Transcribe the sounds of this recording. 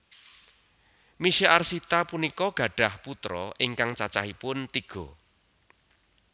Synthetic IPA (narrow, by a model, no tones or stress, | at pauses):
miʃiʔarsit̪apunikɔɡ̥ä̤ɖ̥a̤hput̪ɾɔʔɪŋkaŋt͡ʃat͡ʃahipʊnt̪iɡ̥ɔ̤